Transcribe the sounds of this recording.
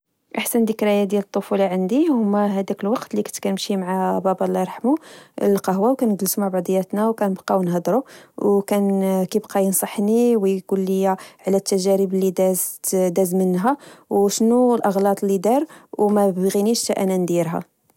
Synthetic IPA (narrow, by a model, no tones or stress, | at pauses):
ʔaħsənd̪əkɾæjæd̪jælət̪ˤːofulɑʕənd̪ihʊmːæɦæd̪ækəlwɑqt̪likənt̪kænəmʃimʕabɑbɑlːɑɾˤħmulqɑɦwæwkænəɡləsumaʕbɑʕd̪ˤəjːæt̪næwkænəbqɑwnɦɑd̪ɾuwkænkibqɑjənsˤɑħniwkʊlːəjːaʕlæt̪ːæʒæɾəblid̪æzt̪d̪æzmənːɦæwʃnulʔɑɣlɑt̪ˤlid̪ɑɾwmæbbɣiniʃt̪æʔænænd̪iɾɦæ̰